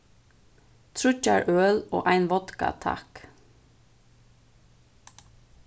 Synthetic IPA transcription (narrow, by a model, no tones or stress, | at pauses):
t̪ʰɹʉcɑɹʔøːlo̰ːʔæɪnʋɔt̪kɑ̰t̪ʰɑ̰k